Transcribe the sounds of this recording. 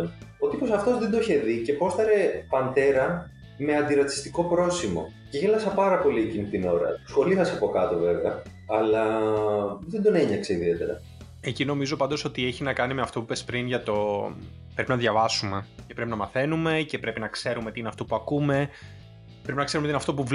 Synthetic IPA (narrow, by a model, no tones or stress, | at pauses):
ot̪ipo̞sɐft̪o̞zðed̪oiçe̞ðice̞po̞st̪ɐɾe̞pɐnd̪e̞ɾɐ | me̞ɐnd̪iɾɐt̪i̥st̪iko̞pɾo̞simo̞̰ | ceçelɐsɐpɐɾɐpo̞liecinit̪ino̞ɾɐ̰sxo̞liθɐsiɐpo̞kɐt̪ove̞veɐ | ɐlɐ | ðend̪o̞ne̞ɲɐkse̞iðie̞t̪e̞ɾɐ̰ | e̞cinomizo̞pɐnd̪o̞so̞t̪ieçinɐkɐnime̞ɐft̪o̞pupe̞spɾinʝɐt̪o̞ | pɾe̞pinɐðʝɐvɐsume̞cepɾe̞pinɐmɐθe̞nume̞ce̞pɾepinɐkse̞ɾumet̪ineɐft̪o̞puɐkume̞ | pɾepinɐkseɾumet̪inɐft̪opu